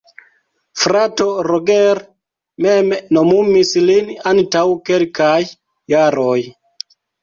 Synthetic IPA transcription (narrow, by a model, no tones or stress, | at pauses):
fɾatoɾoɡeɾ | memnomumislinantawkelkajː | aɾoj